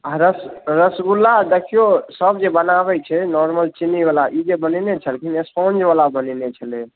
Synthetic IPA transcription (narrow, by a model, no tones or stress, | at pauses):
aɾəsɾəsɡulːad̪ekʰijosəbd͡ʒebənaβɛt͡ʃʰɛnɔɾməlt͡ʃinibalaʔid͡ʒebənɛnet͡ʃʰəlkinespɔnd͡ʒbalabəninet͡ʃʰəlɛ